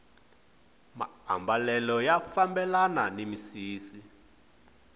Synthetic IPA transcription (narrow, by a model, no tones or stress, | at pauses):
ma̰a̰mbalɛlɔjafambɛlananimisiːsi